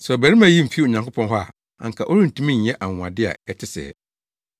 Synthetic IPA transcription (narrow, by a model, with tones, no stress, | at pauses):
sɛ˨ɔ˨bæ˨ɾi˦mã˦ji˦m̩˨fi˦o˨ɲã˨ŋkʰʊ˦pʰɔ̃˦nɦɔ˦a̰˨ | ã̰˨ŋ̩˨kʰa˨ʔo˦ɾĩ˦n̩˨tʰũ˦mĩ˦ɲ̩˨˦ɛ˦ʔa˨ŋʊ̃˨a˨dɪ˦a̰˨ɛ˦tʰɪ˦sɛ̰˨